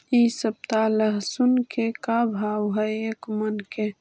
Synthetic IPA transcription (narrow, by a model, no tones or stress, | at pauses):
isəp̚t̪aləɦsunkekabʱaːwɦɛeːkmənke